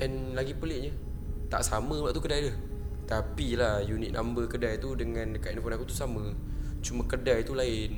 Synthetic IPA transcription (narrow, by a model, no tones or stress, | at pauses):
ʔɛnlaɡipəlɪʔ̚ɲə | t̪a̰ʔsamə̃laʔt̪ukədajləh | t̪apilahjuniʔ̪̚nʔã̰mbəkədajt̪udəŋãnkaʔɛnfɔnakut̪u̥samə | t͡ʃumə̃kədajt̪ulaɪn